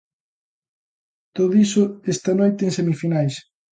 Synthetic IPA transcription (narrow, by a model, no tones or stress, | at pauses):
t̪oðoisʊest̪ɐnojt̪eŋsemifinajs